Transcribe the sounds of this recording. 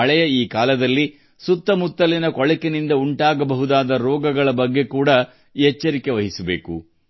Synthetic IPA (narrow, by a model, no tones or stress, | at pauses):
ɐɭɛjɐiːkaːlɐd̪ɐlːi | sut̪ːɐmut̪ːɐlinɐkɔɭɛkenind̪ɐuɳʈaːɡɐbɐɦud̪aːd̪ɐɾɔːɡɐɡɐɭɐbɐɡːe̞kuːɽɐ | ɛt͡ʃːɐɾike̞ʋɐɦisɐbḛːkṵ